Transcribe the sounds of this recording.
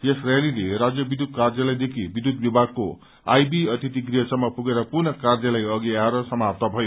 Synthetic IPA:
jesrelilerad͡zjʌbid̪ʱud̪̚kard͡zjʌlajd̪ekʰibid̪ʱud̪̚bibʱaɡ̚ko | a̰jbiʌt̪it̪ik̬rijʌsʌmːʌpuɡeɾʌpurnʌkard͡zʌlajʌɡiaɾʌsʌmap̚t̪ʌbʱʌjo

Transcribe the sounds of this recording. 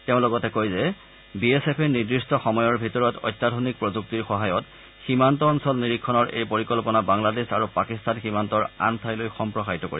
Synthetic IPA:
teʊ̃lɔɡɔtɛkojzɛ | biesepʰeniɹdɹistɔxɔmɔjɔɹbʱitɔɹɔtɔ̰jtːadʱonik̚pɹɔzuk̚tiɹxɔɦajɔt | ximantɔːnsɔlniɹikʰːɔnɔɹʔḛjpoɹikɔlpɔnabaŋladesaɹupakistanximantɔɹa̰ntʰajlojxɔmpɹɔxaɦitɔko̰ɹiɛ

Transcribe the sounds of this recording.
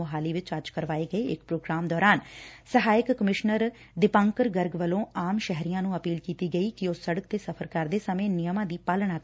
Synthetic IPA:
oɦaːliːʋɪt͡ʃəɾd͡ʒkəɾʋaːeːɡəeːɪkpɾoːɡɾaːmd̪ɔːɾaːnsəɦaːɪkːəmɪʃnəɾ | ɖɪpãːŋkəɾɡəɾɡʋəlõːaːmʃɛɦɾijãːnũːəpiːlkiːt̪iːɡəiːkɪoːsəɽəkt̪eːsəpʰəɾkəɾd̪eːsəmẽːnɪjəmãːd̪iːpaːlɳãː

